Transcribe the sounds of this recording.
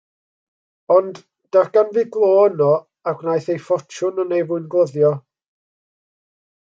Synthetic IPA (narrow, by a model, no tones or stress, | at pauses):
ɔnd | d̥arɡ̥anvɪɡlˠoːnɔ | aɡnajθejfɔt͡ʃʰʊnənejvʊɨnɡlˠəðjɔ